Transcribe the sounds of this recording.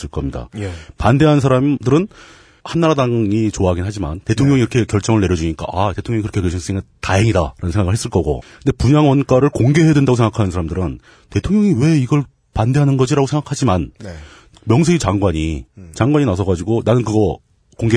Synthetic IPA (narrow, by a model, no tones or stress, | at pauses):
s͈ɯɭk͈ʌmɲida̰pande̞ɦans̬ʰaɾamdɯɾɯn | hanːaɾadaŋit͡ɕoaɦaɡinɦad͡ʑima̰nte̞tʰoŋɲjʌŋiɾʌkʰe̞kjʌɭt͡ɕ͈ʌŋɯɭne̞ɾjʌd͡ʑuɲik͈a̰ʔate̞tʰoŋɲʌŋikɯɾʌkʰekweɕʰins͈eŋataɦeŋidaɾanɯnsʰeŋɡaɡɯɭhɦes͈ɯɭk͈ʌɡo̰kɯndepuɲaŋwʌnk͈aɾɯɭkoŋɡe̞ɦedwendaɡosʰeŋɡakʰanɯnsʰaɾamdɯɾɯn | te̞tʰoŋɲʌŋiwe̞iɡʌɭ | pande̞ɦanɯnɡʌd͡ʑiɾaɡosʰe̞ŋɡakʰad͡ʑiman | mjʌŋsʰuit͡ɕaŋɡwaɲit͡ɕaŋɡwaɲinasʰʌɡad͡ʑiɡonanɯnkɯɡʌ | koŋɡe